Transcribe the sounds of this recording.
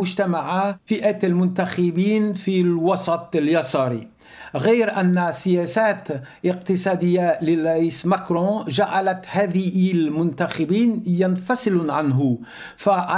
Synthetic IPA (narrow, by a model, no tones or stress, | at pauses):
ʊʒt̪amaʕafiʔæt̪almʊnt̪axɪbiːnfilwɑsˤɑt̪ˤljɑsˤɑɾḭ | ɣæjɾʔænːsɪjæsæːt̪ʔəqt̪əsˤɑd̪əjːalɪrˤɑʔiːsmakɾɔ̃ʒaʕalæt̪hæːd̪ɪlmʊnt̪axɪbiːnjanfɑsˤɨlʕanɦʊ | faʕ